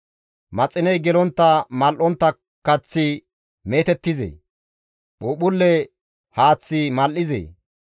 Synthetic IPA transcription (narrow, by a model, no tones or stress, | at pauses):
mɐt͡sʼːɪnɛjɡɛlɔnt̪ːɐmɐlʔɔnt̪ːɐ | kːɐt͡sːɪ | meːt̪ɛt̪ːɪzḛ | ɓuːɓʊlːɛ | haːt͡sːɪmɐlʔɪzḛː